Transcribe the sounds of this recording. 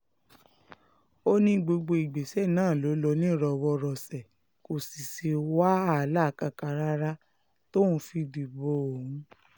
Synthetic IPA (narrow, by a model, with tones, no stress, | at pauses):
o˦nĩ˧ɡ͡bo˧ɡ͡bo˧i˨ɡ͡be˨sɛ˦˨nãː˦˨lo˨˦lɔ˧˦nĩ˦˨ɾɔ˧˨wɔ˧ɾɔ˨sɛ˨ | ko˨si˨se˧wa˦a˦˨la˦˨ka˧ka˧ɾa˦ɾa˦ | to˦ũ˧˦fi˧du˨bo˨o˨hũ˨˦